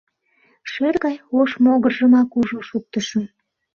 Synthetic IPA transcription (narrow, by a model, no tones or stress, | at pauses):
ʃerɣɑjoʃmoɣərʒəmɑkuʒoʃuk̚t̪əʃən